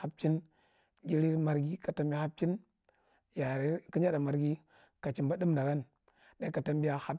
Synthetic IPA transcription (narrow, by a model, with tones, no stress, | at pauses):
a˨˦b̚t͡ʃi˦n | ɡʲi˦ɾi˦ma˨ɾɡi˦ka˨ta˨mbʲi˦a˦ha˦b̚t͡ʃi˦n | ja˨ɾi˦ki˦ɲ˦a˦da˨ma˨ɾɡi˦ | ka˨t͡ʃi˨mba˦dɨ˦mda˨ɡa˦n | da˦ka˨ta˦mbi˦ja˦ha˦